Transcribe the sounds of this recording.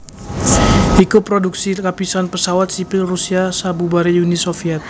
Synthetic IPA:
hikupːɾoduk̚sikapisanpəsawat̪̚sipɪlrusiasabubaɾijunisofiɛt̪̚

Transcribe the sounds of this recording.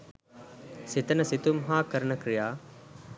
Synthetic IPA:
sit̪ɐnɐsit̪umɦaːkɐɾɳɐkɾijaː

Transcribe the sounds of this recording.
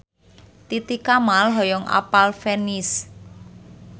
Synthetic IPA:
t̪it̪ikamalɦɔjɔŋʔa̰palfɛnis

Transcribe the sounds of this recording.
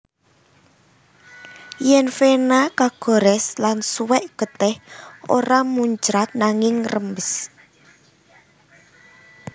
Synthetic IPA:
jɛnfenakaɡ̥o̤ɾɛslansuwɛʔɡ̥ə̤t̪ɛho̰ɾamuɲd͡ʒɾat̪̚naŋɪŋrəmbəs

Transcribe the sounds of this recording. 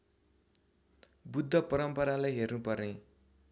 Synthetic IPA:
bud̪ʱːʌpʌɾʌmpʌɾalajɦernupʌrne

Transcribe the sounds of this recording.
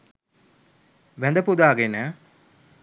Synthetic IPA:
ʋænd̪əpud̪aːɡenə

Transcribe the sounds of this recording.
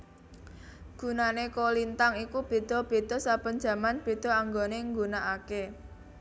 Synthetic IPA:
ɡ̥ṳnanekolint̪aŋikub̥e̤d̪̥ɔ̤b̥e̤d̪̥ɔ̤sapən̥d͡ʒä̤manb̥e̤d̪̥ɔ̤aŋɡoneŋɡunaake

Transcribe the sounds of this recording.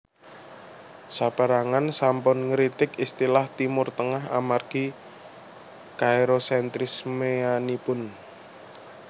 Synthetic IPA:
sab̥a̤ɾaŋansampʊnŋɾit̪ɪkist̪ilaht̪imʊrt̪əŋaɦa̰marɡ̥i | kaeɾosɛnt̪ɾɪsmeanipʊn

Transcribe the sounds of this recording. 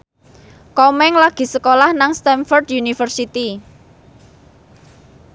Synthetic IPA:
kɔmɛŋlaɡ̥i̤səkolahnaŋst̪ɛnfɔrd̪junifərsit̪i

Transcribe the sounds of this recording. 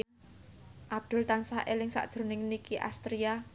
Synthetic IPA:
ʔab̚d̪̥ʊ̤lt̪ansaʔelɪŋsa̰ʔd̥ʒ̥ɾo̤nɪŋnikiʔa̰st̪ɾia

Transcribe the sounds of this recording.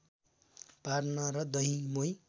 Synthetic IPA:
parnʌɾʌd̪ʌɦĩmoj

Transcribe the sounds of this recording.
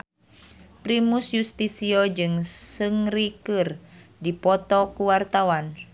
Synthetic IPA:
pɾimusjust̪isiɔd͡ʒɨŋsɨŋrikɨrdipɔt̪ɔkuwart̪awan

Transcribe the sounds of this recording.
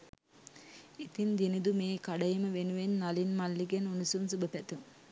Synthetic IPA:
it̪ind̪inid̪umeːkaɖɐjiməʋenuʋenːalinmalːiɡenunusunsubəpæt̪uŋ

